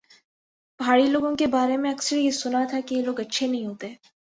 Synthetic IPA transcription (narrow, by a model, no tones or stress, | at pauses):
b̥ʱaːɽiloːɡõkebaːɾemẽɐksəɾijesʊnat̪ʰakijeloːɡɐtːʃʰenɐɦĩɦoːt̪e